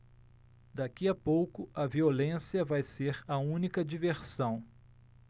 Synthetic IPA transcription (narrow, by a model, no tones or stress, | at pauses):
d̪akiɐpowkʊɐviolẽsiɐvajseɾɐũnikɐd͡ʒiveɾsɐ̃w̃